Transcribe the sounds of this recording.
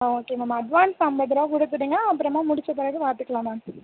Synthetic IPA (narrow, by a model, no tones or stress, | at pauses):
oːkeːmamaɐɖʋaːnsɐmbɐðɪɾoːkʊɽɯt̪ːɯɽɯːŋɡɐɐpːɯɾɐmãːmʊɽɪt͡ʃːɐt̪ːɐɾɐkɯʋaːɾt̪ɯkːɐɭãːmaː